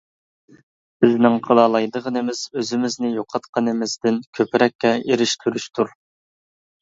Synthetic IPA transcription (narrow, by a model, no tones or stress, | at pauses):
b̥ɪznɪŋqʰəlˠɑlˠɑjd̪əʁənɨmɪz̥øzɪmɪznɪjoqʰɑt̪qʰɑnɪmɪzd̪ɪnkʲʰøpɪɾɛkʲːɛeɾɪʃt̪ʰyɾyʃt̪ʰuɾ